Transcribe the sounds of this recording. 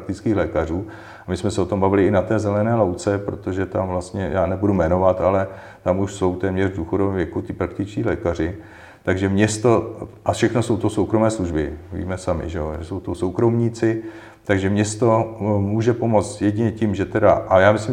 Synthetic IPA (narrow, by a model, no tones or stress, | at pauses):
kt̪ɪt͡skiːxlɛːkar̝uː | amɪsmɛsɛo̞t̪o̞mbavɪlɪɪnat̪ɛːzɛlɛnɛːlawt͡sɛpɾot̪o̞ʒɛt̪amvlast̪ɲɛjaːnɛbudumɛno̞vat̪alɛ | t̪amuʃso̞wt̪ɛːmɲɛrvduːxodovɛmvjɛkut̪ɪpɾak̚t̪ɪt͡ʃciːlɛːkar̝ɪ | t̪aɡʒɛmɲɛst̪o̞ʔafʃɛxno̞so̞wt̪osowkɾo̞mɛːsluʒbɪ̰vḭːmɛsamɪ̰ʒɛo̰ʒɛsowt̪osowkɾo̞mɲiːt͡sɪ | t̪aɡʒɛmɲɛst̪o̞muːʒɛpo̞mo̞t͡st̪jɛɟɪɲɛcimʒɛt̪ɛdaʔajaːmɪslɪ